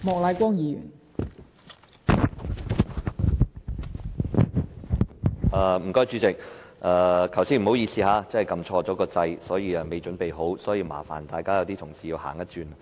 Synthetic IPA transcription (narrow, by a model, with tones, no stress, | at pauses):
mɔː˨k̚la˨˧˥kʷɔː˥ŋjiː˨˧jy̰˨˩n | ʔaː˧˩m̩˨˩kɔː˥jt͡ʃyː˨˧t͡sɪ˨k̚ʔaː˧kʰɐ˨˩wsiː˧˥nm̩˨˩ho˨˥wjiː˧siː˨haː˨˧t͡sɐ˥hjkɐ˧mt͡ʃʰɔː˧t͡sɔː˨˥kɔː˧t͡sɐ˧jsɔː˨˥jiː˨˧ɐ˧me˨jt͡ʃɵ˨˥npe˨jɦo˨˥wsɔː˨˥jiː˧ma̰ː˨˩fa̰ː˨˩nt̪aː˨jkaː˥jɐ˨˧wt̪i˥t̪ʰʊ˨˩ŋsiː˨jiː˧wha̰ː˨˩ŋjɐ˥t̚t͡ʃyː˧n˨